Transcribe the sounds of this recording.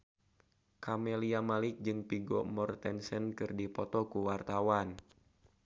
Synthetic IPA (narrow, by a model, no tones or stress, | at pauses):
kamɛliamalɪk̚d͡ʒɨŋpiɡɔmɔrt̪ɛnsɛnkɨrdipɔt̪ɔkuwart̪awan